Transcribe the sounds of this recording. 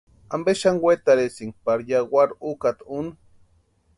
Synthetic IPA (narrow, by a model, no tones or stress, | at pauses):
ambeʃaŋɡwʷet̪aɾesiŋɡ̚paɾjaɡwaɾukat̪un